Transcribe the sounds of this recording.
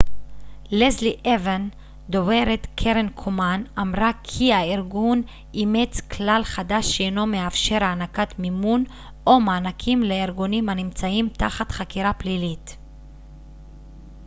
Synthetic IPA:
lezliʔeven | d̪oveɾet̪kʰeɾenkʰomanamʁakʰiaiɾɡun | imet͡sklalχad̪aʃːeeno̞meafʃe̞ɾaːnakat̪mimun | ʔomaːnakʰimleiɾɡunimanimt͡saimt̪aχat̪χakiɾaplilit̪

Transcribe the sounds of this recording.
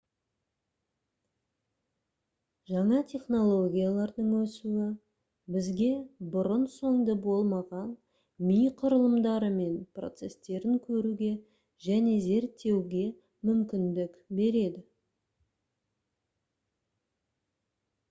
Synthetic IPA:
ʒɑɴɑt̪ʲʰe̞χno̞lˠo̞ɡʲijalˠɑɾd̪əɴwɵsuwɪ | bɪzɡʲe̞bʊɾənso̞ɴd̪əbo̞lˠmɑʁɑn | mijqʰʊɾəlˠəmd̪ɑɾəme̞npro̞̰t̪se̞st̪e̞ɾɪŋkʲʰɵɾuɡʲe̞ | ʒæne̞ze̞ɾt̪ːe̞wɡʲe̞ | mʏmkʲɪnd̪ɪkbe̞ɾe̞d̪ɪ

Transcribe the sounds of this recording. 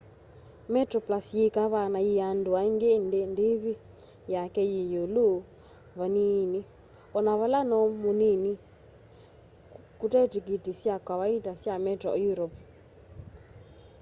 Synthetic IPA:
mɛtɾɔplasjikaβanajianduaiŋɡɛnndiβi | jakɛjijolu | βanini | ɔnaβalanɔmunini | kutɛtikitisjakwaβaitasjamɛtɾɔjuɾɔp

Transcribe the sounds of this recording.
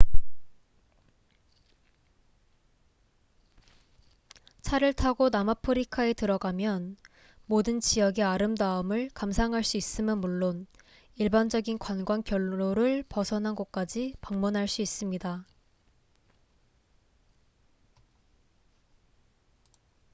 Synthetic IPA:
t͡ɕʰaɾɯɭtʰaɡonamapʰɯɾikʰae̞tɯɾʌɡamjʌn | modɯnt͡ɕijʌɡe̞aɾɯmdaɯmɯɭkamsʰaŋɦaɭs͈uis͈ɯmjʌnmuɭːon | iɭband͡ʑʌɡinkwanɡwankjʌɭːoɾɯɭpʌsʰʌnɦanɡʌk̚k͈ad͡ʑipaŋmunɦaɭs͈uis͈ɯmɲida

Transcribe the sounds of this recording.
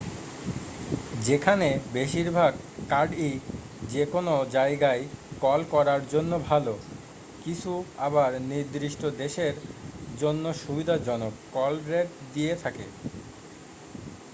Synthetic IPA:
d͡ʑekʰanebeʃiɾbʱaɡ | kaɾɖi | d͡ʑekonod͡ʑaeɡaekɔlkɔɾaɾd͡ʑonːobʱalo | kit͡ɕʰuabaɾniɾd̪ɾiʃʈod̪eʃeɾd͡ʑonːoʃubid̪ʱad͡ʑɔnokkɔlɾeʈd̪ijet̪ʰakḛ

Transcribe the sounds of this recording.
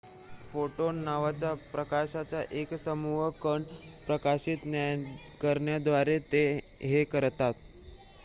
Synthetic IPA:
foʈonːaʋat͡ɕjapɾəkaɕat͡saʔeksəmuɦəkəɳɖpɾəkaɕiːt̪njaj | kəɾɳjad̪ʋaɾet̪e | ɦekəɾt̪at̪

